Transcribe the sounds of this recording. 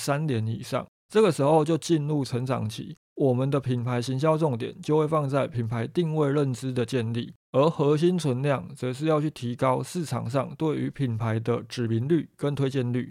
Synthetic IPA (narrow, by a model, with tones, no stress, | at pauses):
sa˦nt̪jɛ˧˥nḭ˨˩ʂɑ̰˥˩ŋ | ʈ͡ʂɤ˥˩ɡə˩ʂɻ̩˧˥xo˥˧ʊt͡ɕjo˥˧ʊt͡ɕi˥˧nɻu˥˨t͡sʰə˧˥ŋt͡sɑ̰˨˩ŋt͡ɕʰḭ˨˥ | wɔ˨˩mə˨nd̪ə˨pʰi˨˩npʰa˧˥ɪɕi˧˥nɕ̬jɑ˥ʊʈ͡ʂʊ˥˩ŋt̪jɛ̰˨˩˦nt͡ɕjo˥˧ʊwe˥˧ɪfɑ˥˧ŋt͡sa˥˩ɪpʰi˨˩npʰa˧˦ɪt̪i˥˧ŋwe˥˧ɪɻə˥˨nʈ͡ʂɻ̩˥˦d̪ə˨t͡ɕjɛ˥˧nlḭ˥˩ | ə˧˥xɤ˧˥ɕ̬i˦˥nt͡sʰwə˧˦nljɑ˥˩ŋt͡sɤ˧˦ʂ̬ɻ̩˥˧jɑ˥˧ʊt͡ɕʰy˥˩t̪ʰi˧˥kɑ˦ʊʂɹ̩˥˩ʈ͡ʂʰɑ̰˨˩ŋʂɑ˥˩ŋt̪we˥˩ɪy˧˥pʰi˨˩npʰa˧˥ɪd̪ə˧ʈ͡ʂɻ̩˨˩mi˧˥nly˥˩kə˦nt̪ʰwe˥ɪt͡ɕjɛ˥˧nly̰˥˩